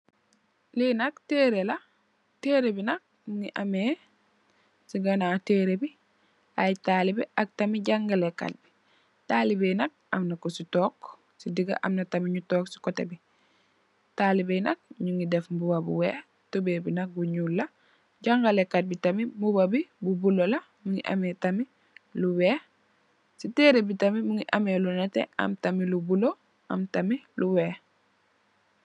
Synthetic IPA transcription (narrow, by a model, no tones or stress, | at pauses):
linɐk̚teɾela | teːɾebinɐk̚ | mŋiʔame | siɡanateɾebi | ajtalibiʔak̚tamiɟaŋɡalekːa̰t̚bi̥ | talibenɐk̚amnakositɔːk | sidiɡa̰ʔa̰mnɐtamiɲutɔːksi̥kotḛbi | taːlibejnɐk̚ɲuŋidefmbubabṵweː | tobeːbinɐk̚buɲuːlːɐ | ɟaŋɡalekːat̚bitamimubabibubulolɐ | muŋiʔa̰metami | luweː | siteːɾebitamimuŋiʔamelunatḛɐ̰mtamilubulo | ʔɐ̰mtamiluweː